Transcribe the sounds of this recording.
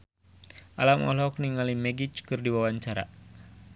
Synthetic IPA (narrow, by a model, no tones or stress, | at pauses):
ʔalamɔ̰lɔkniŋalimɛɡit͡ʃkɨrdiwawaɲt͡ʃaɾa̰